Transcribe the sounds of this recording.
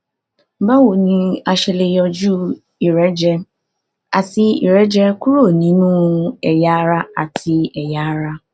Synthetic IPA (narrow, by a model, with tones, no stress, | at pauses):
ba˦wo˨nĩ˧a˧ʃe˧le˧jɔ˧d͡ʒu˦ | i˨ɾɛ˨˦d͡ʒɛ˧ | a˨ti˧ḭ˨ɾɛ˨˦d͡ʒɛ˦ku˦ɾo˦˨nĩ˨˦nũ˦ɛ˨ja˨˦ɾa˦a˨tʰi˧ɛ˨ja˨˦ɾa˦